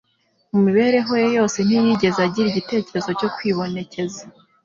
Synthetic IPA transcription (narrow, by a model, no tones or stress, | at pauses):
mumiβe̞ːɾe̞ɦojejo̞ːse̞n̥ijiɟe̞zeaɟiɾiɟite̞ːceɾezo̞co̞kwiːβo̞ne̞ce̞za